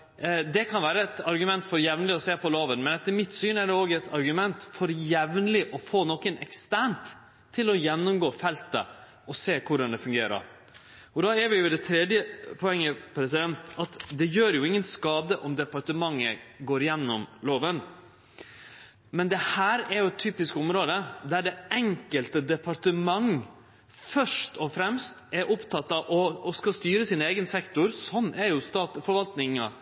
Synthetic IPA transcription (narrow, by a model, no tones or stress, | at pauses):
d̪ɛkʰɑnʋæːɾəɛt̪ɑɾɡʉmɛnt̪fɔɾjɛʋnəlɪɔseːpɔloːʋənmɛnɛt̪ːəɾmɪt̪syːnæɾɖɛoːɡɛt̪ʰɑɾɡʉmɛnt̪fɔɾjɛʋnəlɪʔɔfoːnɔkənɛkst̪æɳt̪ʰː | ɪlɔjɛnːʊmɡoːfɛlt̪ə | ɔseːkʰʊɖɑnd̪ɛfʉŋɡeːɾə̰ɾ | ɔd̪ɑːɛɾʋɪjʊd̪ɛt̪ʰɾɛd̪jəpʰɔɛŋːəpʰɾɛsɪd̪ɛnt̪ɑt̪d̪ɛjøːɾjʊɪŋːənskɑːd̪əʔɔmd̪ɛpɑɾʈəmɑŋːəɡoːɾjɛnːɔmloːʋən | mɛnd̪ɛhæːɾɛɾjʊɛt̪ʰːyːpɪskɔmɾoːd̪əd̪æɖɛɛŋkəlt̪əd̪ɛpʰɑɾʈəmɑŋ | fœʂʈɔfɾɛmst̪ɛɾʔʊpt̪ʰɑt̪ːɑʔɔskɑst̪yːɾəsiːneːɡənsɛkt̪ʊɾsɔnːɛɾjʊst̪ɑːt̪fɔɾʋɑlt̪nɪŋɑ̰